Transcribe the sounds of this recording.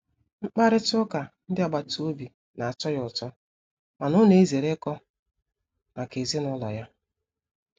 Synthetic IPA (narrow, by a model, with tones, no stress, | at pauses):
ŋ͡m̩˦k͡pa˦ɾɪ˦tʊ˦ka˨n̩˦dɪ˦a˨ɡ͡ba˨to˦bi˨ | na˨a˨t͡ʃɔ˦jʊ˨tɔ˦ | ma˨nʊ˦ne˨i˦ze˨ɾe˦kɔ˦ | ma˨ke˨zi˦nʊ˦lɔ̰˨ja˦